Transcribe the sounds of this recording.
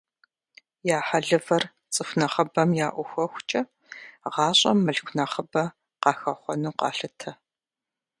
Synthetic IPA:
jaːħaɮɨvɐr | t͡sʼɨfnɐχɐbɐmjaːʔʷʊxʷɔxʷt͡ʃʼɐ | ʁɑːɕʼɐmːɨɮkʷʰnɐχəbɐ | qɑːxɐχʷɔnuːqɑ̰ːɬɨtʰɐ

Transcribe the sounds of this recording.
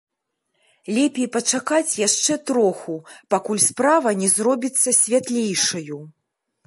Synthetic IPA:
lʲɛpʲejpɐt͡ʂakat͡sʲjaʂt͡ʂɛt̪ɾɔxupakulʲspɾavɐnʲɛzɾɔbʲit̪sːɐsʲvʲat̪lʲejʂɐju

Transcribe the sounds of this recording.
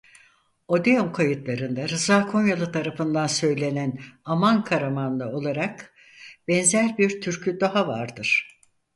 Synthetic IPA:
o̞d̪eomkʰajɯt̪lˠaɾɯnd̪aɾɯzaːkʰo̞njalˠɯt̪ʰaɾafɯnd̪ansø̞jlʲe̞nænamankʰaɾamand̪ˠao̞lˠaɾak | bɛnzæɾbiɾt̪ʰyɾcʰyd̪o̞ɦavaɾd̪ɯɾ̥

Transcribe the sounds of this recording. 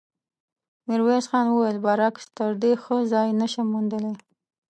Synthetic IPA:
mɪɾwesxɑnwəwajəlbɑɾakt̪əɾd̪exəzɑjnəʃamund̪əle

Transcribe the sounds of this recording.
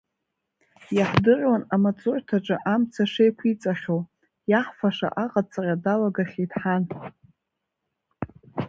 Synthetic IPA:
jaħdɨrʷwanamat͡sʼʊrtʰaʈ͡ʂʼɨʔamt͡sʰaʂejkʷʰit͡sʼaχʲow | jaħfaʂa̰ʔaqʼat͡sʼarʲadalaɡaχʲeidħan

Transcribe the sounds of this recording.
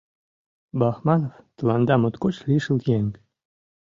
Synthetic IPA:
bɑxmɑnoft̪əlɑnd̪ɑmot̪kot͡ɕliʃəljeŋk

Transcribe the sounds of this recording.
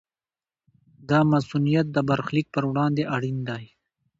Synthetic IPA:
d̪ɑːmasunijat̪̚d̪əbaɾxlik̚pəɾwɽɑːnd̪eʔaɽind̪ɑːj

